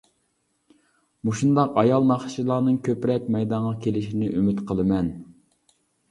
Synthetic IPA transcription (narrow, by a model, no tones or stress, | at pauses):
muʃund̪ɑqɑjɑlˠmɑχʃilˠɑːnɨŋkʲʰøpɾɛpmɛjd̪ɑŋʁɑkʲʰelɪʃinɪʔymɪt̪qʰəlˠɨmɛn